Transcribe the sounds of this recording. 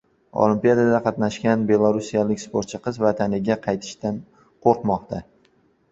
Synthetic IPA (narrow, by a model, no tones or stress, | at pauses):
o̰lˠimpijad̪ad̪aqʰɑt̪naʃkʲanbe̞lˠaɾusijalɪkʲspoɾt̪t͡ʃʰɪqɨzvat̪ʰanɪɡʲaqʰɑjt̪ʰɪ̥ʃt̪an | qʰoɾqmɒqt̪ʰa